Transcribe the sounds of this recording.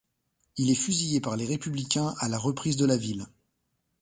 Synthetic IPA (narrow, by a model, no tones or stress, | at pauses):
ilɛfyzijepaʁleʁepyblikʲɛ̃alaʁəpχizd̪əlavil